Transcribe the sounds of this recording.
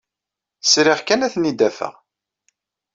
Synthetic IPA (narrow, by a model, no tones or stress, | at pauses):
sɾɪʁkænæθnid̪æfə̰ʁ